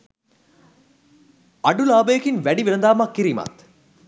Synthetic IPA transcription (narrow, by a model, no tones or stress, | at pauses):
ɐɖulaːbɐjɐkinʋæɖiʋiɾɐnd̪aːmɐkːiɾiːmɐ̰t̪